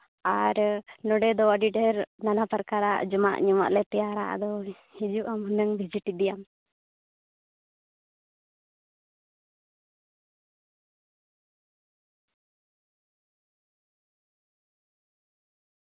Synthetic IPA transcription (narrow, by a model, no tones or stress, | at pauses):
aːɾnuɖɛd̪ɔaɖiɖəɾnɐnapɐɾkaɾa̰ʔd͡ʒuma̰ʔɲuma̰ʔlɛt̪ɐjaːɾa̰ʔɐ̰d̪ɔ | id͡ʒuʔɐmunːɐŋbʱid͡ʒiʈːid̪ijam